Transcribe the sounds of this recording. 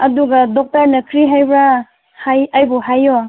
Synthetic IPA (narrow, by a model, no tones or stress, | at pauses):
ɐduɡadɔk̚tɐɾnɐkʰɾiɦajbɾa | hajajbɔɦajɔ